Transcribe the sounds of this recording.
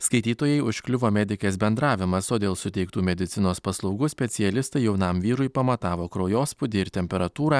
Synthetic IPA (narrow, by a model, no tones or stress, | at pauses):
skɐɪt̪ʲiːt̪oːjɛɪʊʃʲkʲlʲɪʋoːmʲæːd̪ʲɪkʲeːsbʲɛnd̪ɾɑːʋʲɪmɐsoːd̪ʲeːlˠsʊt̪ʲɛɪkt̪uːmʲɛd̪ʲɪt̪sʲɪnoːspɐslˠɒʊɡuːsʲpʲɛt̪sʲɪjɛlʲɪst̪ɐɪjɛʊnɐmʋʲiːɾʊɪpɐmɐt̪ɑːʋoːkɾoːjoːspʊd̪ʲɪɪɾt̪ʲɛmʲpʲɛɾɐt̪uːɾɑː